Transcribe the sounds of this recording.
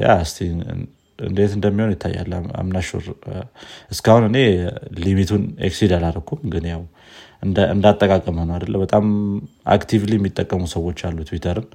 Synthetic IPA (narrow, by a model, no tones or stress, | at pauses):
ja̰ast̪ʰḭ | ɨ̰nd̪et̪ɨnd̪əmːihonjɪt̪ʰːa̰jːa̰lːa̰mnaʃo̰ɾ | ʔɨskahunɨne̞limit̪ʰunḛksid̪alaɾəkʰːumɡɨnjaw | ɨɨ̰nd̪at̪ʼːəkʼakʼəmhonəad̪əlːəbət̪ʼama̰kt̪ʰivliɛmːit̪ʼːəkʼːəmusəwo̞t͡ʃːalːut̪ʰwit̪ʰəɾɨn